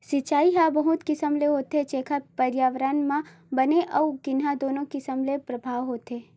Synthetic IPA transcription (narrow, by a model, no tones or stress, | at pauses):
sɪt͡ʃaːiɦabəɦʊt̪kɪsəmleɦoːt̪ɦet͡ʃeːkʰəpəɾjaːʋɾanmã | bəneʔɔːɡɪnɦãd̪oːnõkɪsəmlepɾəbʱaːʋɦoːt̪ɦeː